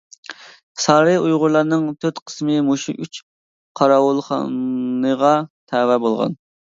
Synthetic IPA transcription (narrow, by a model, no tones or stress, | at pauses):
sɑɾɨujʁʊɾlˠɑɾnɨŋt̪ʰøt̪qʰə̥smɨmoʃiʔyt͡ʃ | qʰɑɾɑwulˠχɑ̰nnəʁɑt̪ʰɛːwɛbolˠʁɑ̰n